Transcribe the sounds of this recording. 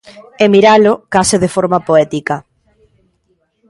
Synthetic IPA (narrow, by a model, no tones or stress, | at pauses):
emiɾalokasɪðefoɾmapoɛt̪ikɐ